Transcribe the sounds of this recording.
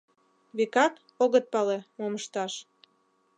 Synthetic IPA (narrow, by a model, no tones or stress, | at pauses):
βekɑk | oɣət̪̚pɑlemoməʃt̪ɑʃ